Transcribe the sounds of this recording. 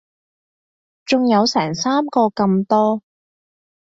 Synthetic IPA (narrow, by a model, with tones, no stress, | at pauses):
t͡sʊ˨ŋjɐ˨˧wsɛː˨˩ŋsaː˥mkɔː˧kɐ˧mt̪ɔː˥